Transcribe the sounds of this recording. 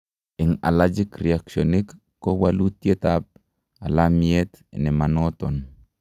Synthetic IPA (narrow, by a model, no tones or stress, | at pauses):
ɪŋa̰lad͡ʒikɾeaksonikː | owalutjetap̚ | alamiet̪nɛmanoton